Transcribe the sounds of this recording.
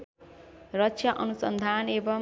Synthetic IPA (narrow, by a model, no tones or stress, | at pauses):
rʌtt͡ʃʰjaʔʌnusʌnd̪ʱanebʌ